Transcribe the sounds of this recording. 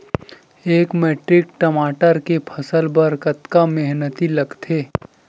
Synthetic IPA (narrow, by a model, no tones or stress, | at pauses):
eːkmeːʈɾɪkʈɐmaːʈəɾkepʰəsəlbəɾkət̪kameɦnət̪ilɐɡt̪ʰeː